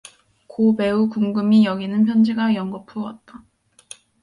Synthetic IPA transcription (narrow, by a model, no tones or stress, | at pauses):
kope̞ukuŋɡɯmijʌɡinɯnpʰjʌnd͡ʑiɡajʌŋɡʌpʰuwʌt̚t͈a